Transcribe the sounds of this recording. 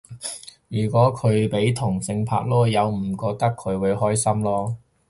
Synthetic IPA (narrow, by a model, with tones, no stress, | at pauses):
jyː˨˩kʷɔː˨˥kʰɵ˨˧ɥpe˨˥jt̪ʰʊ˨˩ŋsɪ˧ŋpʰa̰ː˧k̚lɔː˥jɐ˨˧wm̩˨˩kɔː˧k̚t̪ɐ˥kʰːɵ˨˧ɥwu˨˧ɥhɔː˥jsɐ˥mlɔː˥